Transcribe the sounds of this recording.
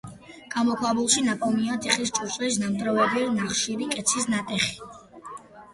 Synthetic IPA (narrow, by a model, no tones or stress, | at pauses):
ɡ̥amɔkʰwabulˠʃinakʰʼɔmiat̪ʼiχist͡ʃʼuɾt͡ʃʼwɛis̬namt̪ʼɾɔvɛbiɾnaχʃiɾikʼɛt̪sʰisnat̪ʼɛχi̥